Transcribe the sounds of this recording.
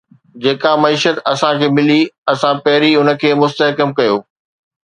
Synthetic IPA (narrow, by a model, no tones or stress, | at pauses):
d͡ʑeːkamɐiːʃət̪ɐsãkʰeːmɪliɐsãpɐɦɪɾiʊnə̆kʰeːmʊst̪əɦkəmkɐjoː